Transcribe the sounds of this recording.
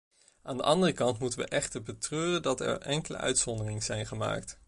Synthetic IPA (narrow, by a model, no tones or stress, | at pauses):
ʔaːndəʔɑndərəkɑntmutənʋə̰ʔɛχtəɹbətrøːrəndɑtɛ̰ɹɛŋkələ̰ʔœ̰ɥtsɔndərɪŋəz̥ɛjnχəma̰ːkt